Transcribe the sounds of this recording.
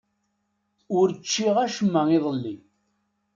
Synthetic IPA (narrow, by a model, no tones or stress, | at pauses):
ʊɾt͡ʃːiʁæʃəmːəiðˤəlːi